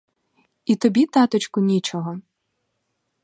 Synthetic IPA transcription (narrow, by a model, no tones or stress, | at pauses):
it̪ɔbʲit̪ɑt̪ɔt͡ʃkʊnʲit͡ʃɔɦɔ